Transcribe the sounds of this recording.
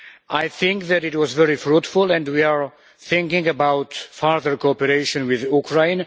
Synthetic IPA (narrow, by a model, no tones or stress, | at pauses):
ajθɪ̃ŋkðæɾɪtwɔzvɛɹifɹutfʊlɛ̃ndwiaɹ | θɪ̃ŋkɪ̃ŋəbawtfaɹðəɹkoɔpɛɾeɪʃɔ̃nwɪðukʰɹãj̃n